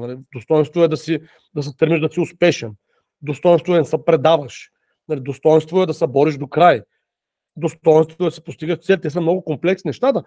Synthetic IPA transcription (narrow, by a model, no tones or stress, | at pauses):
nɐlid̪ost̪ɔjɛnst̪vʊɛd̪ɐsi | d̪ɐs̬ɛt̪əɾmiʒd̪ɐsiʊspɛʃɛn | d̪ost̪ɔjɛnst̪voɛnɛsɐpɾɛd̪avəʃ | nalid̪ost̪ɔjɛnst̪voɛd̪ɐsɛbɔɾiʒd̪okɾaj | d̪ost̪ɔjɛnst̪vot̪ɛd̪ɐsɛ̥post̪iɡəʃt̪sɛlʲt̪ɛs̬ɐmnɔɡʊkomplɛksʲinɛʃt̪at̪ə